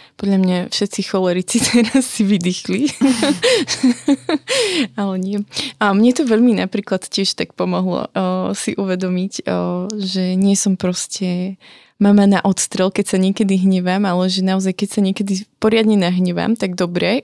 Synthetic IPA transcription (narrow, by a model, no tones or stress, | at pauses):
pɔd̪ʎamɲafʃɛt̪sixɔlɛɾit͡sit̪ʰɛɾasːiʋid̪ixli | alɛɲɪɛmɲɛt̪ɔʋɛʎminapɾiːklat̪cɪɛʃt̪akpɔmɔɦlɔ̰siʔuʋɛd̪ɔmic | ʒɛɲɪɛsɔmpɾɔscɛ | mamanaʔɔt̪st̪ɾɛlkɛcsaɲɪɛkɛd̪iɦɲɛʋamalɛʒɛnaɔzajkɛcsaɲɪɛkɛd̪ipɔɾɪad̪ɲɛnaɦɲɛʋa̰mt̪aɡd̪ɔbɾɛ